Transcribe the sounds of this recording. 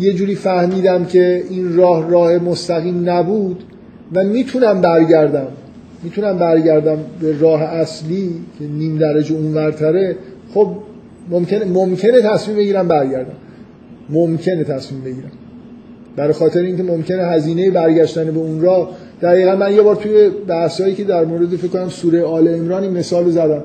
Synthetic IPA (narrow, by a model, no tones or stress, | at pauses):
je̞d͡ʒuːɾiːfæhmiːd̪æmcʰe̞inrɒːhrɒːhe̞most̪æɣiːmnæbuːd̪ | væmiːt̪ʰunæmbæɾɟæɾd̪æmː | iːt̪ʰunæmbæɾɟæɾd̪æmbe̞ɾɒːɦeʔæsliːcʰe̞niːmd̪æɾæd͡ʒeunvæɾt̪ʰæɾe̞xob̚ | momce̞nemomcʰe̞ne̞t̪ʰæsmiːmbe̞ɟiːɾæmbæɾɟæɾd̪æm | momcʰe̞ne̞t̪ʰæsmiːmbe̞ɟiːɾæm | b̥æɾxɒːt̪ʰe̞ɾeiːncʰe̞mo̞mcʰe̞neɦæziːne̞jebæɾɟæʃt̪ænebe̞unrɒːh | d̪̥æɣiːɣænmænje̞bɒːɾt̪ʰuje̞bæhshɒːjiːcʰe̞d̪æɾmoːɾe̞d̪efeckʰkːonæmsuːɾejeɒːleemɾɒːniːnme̞sɒːlozæd̪æm